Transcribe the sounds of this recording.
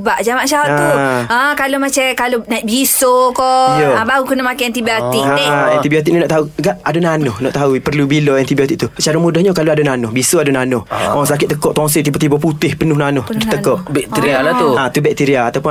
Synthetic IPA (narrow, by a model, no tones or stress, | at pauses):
baʔd͡ʒamãʔʃaɔauə̃kalomat͡ʃɛkalonabisokɔjoabaukənəmakaɛnt̪ibiot̪ikaɛ̃nt̪ibiot̪ik̚ninɔʔt̪auɡaʔadonanʊhnɔʔt̪aupərlubiloɛnt̪ibiot̪ik̚t̪usət͡ʃaɾamudahɲukaloadonanʊhbisoadonanʊhɔsakɪt̪t̪ːəkɔʔt̪ɔŋs̬it̪ibot̪ibɔput̪ɪhpənʊhnanʊhdət̪əkɔʔʔbɛkt̪iɾialat̪uat̪ubɛk̚t̪iɾiaat̪awpʊ